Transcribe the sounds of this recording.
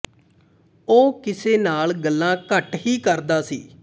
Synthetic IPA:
oːkɪseːnaːlɡəlːãːkəʈɦiːkəɾd̪aːsḭː

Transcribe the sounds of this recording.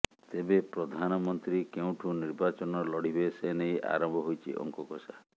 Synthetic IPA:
t̪ebepɾɔd̪ʱanɔmɔnt̪ɾikeũʈʰuniɾbat͡ʃɔnɔlɔɽ̤iɦoesenejʔa̰ɾɔmbʱɔɦojt͡ʃʰḭʔɔ̰ŋkɔkɔsa

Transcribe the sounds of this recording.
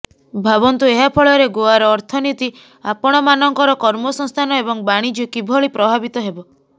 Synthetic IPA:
bʱabɔnt̪ueɦapʰɔɭɔɾeɡoaɾɔːɾt̪ʰɔnit̪i | apɔɽ̃ɔmanɔŋkɔɾɔkɔɾmɔsɔŋst̪ʰanɔebɔŋbaɽ̃id͡ʒɔkibʱɔɭipɾɔbʱabit̪ɔɦebɔ

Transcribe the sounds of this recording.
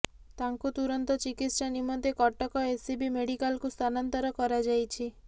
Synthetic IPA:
t̪aŋkut̪uɾɔnt̪ɔt͡ʃikit̪ssanimɔnt̪ekɔʈɔkɔesibimeɽikalkust̪ʰanɔnt̪ɔɾɔkɔɾad͡ʒajt͡ʃʰi

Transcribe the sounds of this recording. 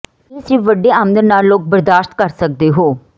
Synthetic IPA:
esiːʋəɖːeːãːmd̪əɾnaːlːoːk̚bəɾd̪aːʃt̪̚kəɾsək̚d̪eːɦoː

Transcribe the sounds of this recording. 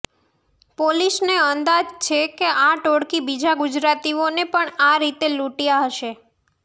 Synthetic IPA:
polisneənd̪ad͡ʒt͡ʃʰekeʔaʈoɽkibid͡ʒaɡʊd͡ʒɾat̪ionepəɳaɾit̪eluʈijaɦəʃe

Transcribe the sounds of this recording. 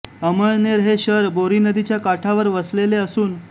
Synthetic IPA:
əməɭneɾɦeɕəɾboɾinəd̪it͡ɕjakaʈʰaʋəɾʋəsleleəsuːn

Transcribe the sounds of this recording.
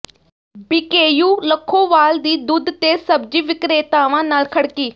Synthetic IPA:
biːkeːjuːləkʰːoːʋaːld̪iːd̪ʊd̪t̪eːsəb̚d͡ʒiːʋɪkɾeːt̪aːʋãːnaːlkʰəɽkiː

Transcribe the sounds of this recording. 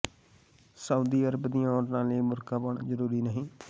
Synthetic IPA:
səuːd̪iːəɾəbd̪ijãɔːɾnãːleiːmʊɾkaːbəɳzəɾuːɾiːnəɦĩː

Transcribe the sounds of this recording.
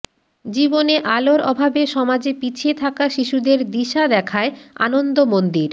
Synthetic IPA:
d͡ʑiboneʔaloɾɔ̰bʱabeʃɔmad͡ʑepit͡ɕʰiet̪ʰakaʃiʃud̪eɾd̪iʃad̪ɛkʰaea̰nond̪omond̪iɾ

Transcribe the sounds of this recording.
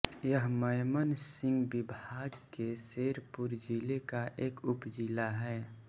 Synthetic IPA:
jəɦməjmənsɪ̃ŋɡbɪbʱaːɡkeseːɾpʊɾd͡ʒilekaʔeːkʊpd͡ʒilaɦɛː

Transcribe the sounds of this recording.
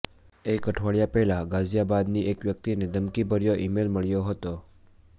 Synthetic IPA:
ekəʈʰʋaɭjapɛɦlaɡazjabad̪niʔekʋjək̚t̪ined̪əmkibəɾjoʔimelməɭjoɦət̪o

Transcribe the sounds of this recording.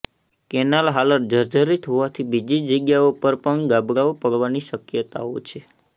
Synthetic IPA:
kɛnalɦaləɾd͡ʒəɾd͡ʒəɾit̪ɦoʋat̪ʰibid͡ʒid͡ʒəɡjaopəɾpəɳɡabɽaopəɽʋaniʃəkjət̪a̰o̰t͡ʃʰe

